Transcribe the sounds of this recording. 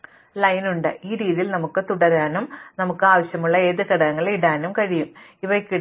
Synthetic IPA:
lɐjnuɳɖɨiːɾiːðijilnɐmukːɨt̪uɽɐɾaːnumnɐmukːɨaːʋɐɕjɐmuɭːɐe̞ːðɨkɐɽɐnɐŋːɐɭiɽaːnumkɐɻijumiʋɐkʲːi

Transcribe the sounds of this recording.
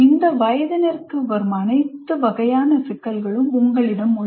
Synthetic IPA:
ɪnd̪ɐʋɐjɐðɐnɐɾkɯʋɐɾmɐɐnɐɪt̪ːɯʋɐɣɐjaːnɐsɪkːɐlɣɐɭɯmʊŋɡɐɭɪɽɐmːʊ

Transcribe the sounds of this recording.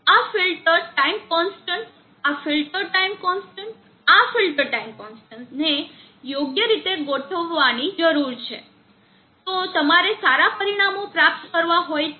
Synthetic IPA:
afilʈəɾʈaimkɔnsʈəɳʈ | afilʈəɾʈaimkɔnsʈəɳʈ | afilʈəɾʈaimkɔnsʈəɳʈne | joɡjəɾit̪eɡoʈʰəʋːanid͡ʒəɾuɾt͡ʃʰe | t̪ot̪əmaɾesaɾapəɾiɽ̃amopɾap̚t̪kəɾʋaɦoj

